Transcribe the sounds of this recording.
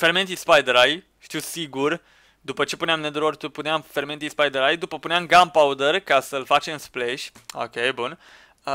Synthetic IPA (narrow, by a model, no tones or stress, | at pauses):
feɾment̪ispajd̪əɾaj | ʃt̪iwsiɡur | d̪upət͡ʃe̞puneamned̪ɾort̪upuneamfe̞ɾment̪ʲispajd̪əɾajd̪upəpuneamɡampaud̪ərkasəlfat͡ʃemspleʃʲo̰kʲejbun